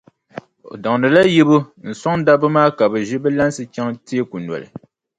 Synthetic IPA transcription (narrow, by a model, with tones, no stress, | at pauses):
o̰˨dɔ˨ŋnɨ˨la˦ji˦bo˦n̩˨sa˦ŋda˦bɨ˦maː˦ka˨bɨ˨ʒi˦bɛ˦la˦nsɨ˨t͡ʃa˦ŋti˦e˦ku˨nwɔ̰˨lɨ̰˨